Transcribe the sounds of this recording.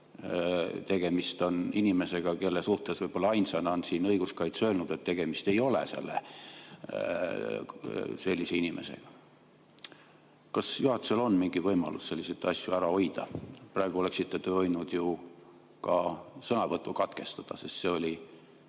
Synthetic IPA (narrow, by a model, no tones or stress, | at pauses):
t̪e̞ɡ̥e̞mist̪o̞ninime̞se̞ɡ̥ɑke̞lːesuht̪e̞svɤjb̥o̞lːɑɑjnsɑjnɑnsinɤjɡ̥uskɑjt̪sø̞ːlnud̪̥e̞t̪ːe̞ɡ̥e̞mist̪e̞jo̞lḛse̞̰lːḛ | se̞lʲːise̞inimʔe̞̰sḛɡ̥ɑ | kɑsjuɦɑt̪ːˑu̥selo̞nːmiŋɡ̥ivɤjmɑ̰lusse̞lʲːiset̪ːˑɑsʲjuæɾɑo̞jd̪̥ɑ̰prɑeɡ̥uo̞le̞ksit̪ːet̪øojnud̪̥ju | kɑsɤnɑvɤt̪ːˑukɑt̪ke̞st̪ɑd̪̥ɑ̰sest̪se̞o̞lʲi